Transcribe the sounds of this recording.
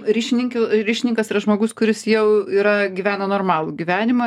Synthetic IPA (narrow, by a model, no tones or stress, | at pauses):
ɾʲiːʃʲɪnʲɪŋʲkʲʊɾʲiːʃʲɪnʲɪŋkɐsiːɾɐʒmoːɡʊskʊɾʲɪsjɛʊiːɾɐɡʲiːʋʲæːnɐnoːrmɑːlˠuːɡʲiʋʲæːnʲɪmɐ